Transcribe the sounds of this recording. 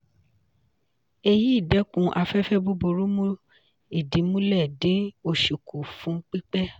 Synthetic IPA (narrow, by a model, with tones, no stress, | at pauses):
e˧ji˦i˦˨dɛ˨˦kũ˨˧ʔa˧fɛ˦fɛ˦bo˦bo˧ɾo˦mũ˦ | i˨dĩ˨˦mũ˦lɛ˦˨dĩ˨˦o˧ʃu˨ku˨fũ˨˦k͡pi˦k͡pɛ˦